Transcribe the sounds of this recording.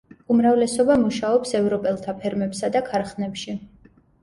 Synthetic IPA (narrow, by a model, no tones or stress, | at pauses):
umɾavlɛsɔbamuʃaɔpsɛvɾɔpʼɛlˠt̪ʰapʰɛɾmɛpsad̪akʰaɾχnɛpʃi